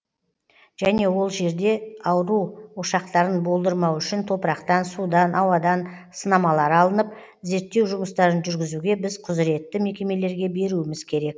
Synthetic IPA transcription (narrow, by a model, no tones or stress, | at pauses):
ʒ̥æne̞wo̞lˠʒe̞ɾd̪e̞ɑwɾuwoʃɑqt̪ɑɾənbo̞lˠd̪əɾmɑwʏʃɪnt̪ʰo̞pəɾɑqt̪ɑnsud̪ɑnʔɑwɑd̪ɑn | sənɑmɑlˠɑɾɑlˠənəp̚ | ze̞ɾt̪ːe̞wʒʊməst̪ɑɾənʒʏɾɡʲɪzuɡʲe̞bɪzqʰʊzɾe̞t̪ːɪme̞kʲe̞me̞le̞ɾɡʲe̞be̞ɾuɪmɪzkʲʰe̞ɾe̞k̚